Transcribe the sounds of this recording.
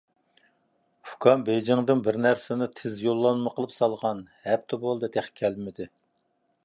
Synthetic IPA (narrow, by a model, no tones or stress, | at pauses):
ʊkʰɑmbejd͡ʒɪŋd̪ɨnbɪɾnæɾsɪnɪt̪ʰɪzjolˠːɑnmɨqʰəlˠɨpsɑlˠʁɑnhɛp̚t̪ʰɪbolˠd̪ɨt̪ʰæχkʲʰælmɪd̪ɪ